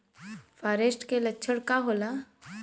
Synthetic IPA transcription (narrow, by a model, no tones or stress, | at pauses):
faɾesʈkelətːʰəɽkaɦola